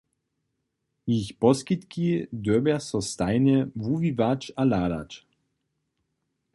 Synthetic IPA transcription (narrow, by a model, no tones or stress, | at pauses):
içpɔskit̪kid̪øbɛsɔst̪ajnəvuvivat͡ʃalaːd̪a̰t͡ʃ